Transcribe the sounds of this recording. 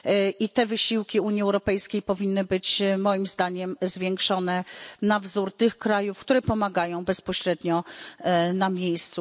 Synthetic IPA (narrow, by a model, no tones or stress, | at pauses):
ʔit̪ɛvɘɕiwkʲiuɲjiɛwɾɔpɛjskʲejpɔvʲinːɘbɘt͡ɕːɔjimzd̪aɲɛmzvʲjɛŋkʂɔnɛnavzuɾt̪ɘxkɾajufkt̪uɾɛpɔmaɡajɔ̃w̃bɛspɔɕɾɛd̪ɲɔ | namʲjejst̪su